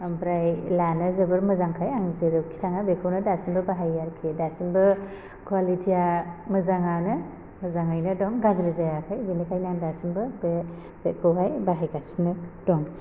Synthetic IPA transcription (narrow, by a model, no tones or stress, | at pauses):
ambɾajlanɯzɯbɯɾmɯzaŋkʰajaŋzeɾɯwkʰi̥tʰaŋabekʰɯwnɯdasimbɯbaɦajaɾkʰedasinbɯ | kʰwalitʰijamɯzaŋanɯ | mɯzaŋajnɯdɔŋɡazɾizajakʰajbinikʰajnandasimbɯbe | bekʰɯwɦajbaɦajɡasinɯdɔŋ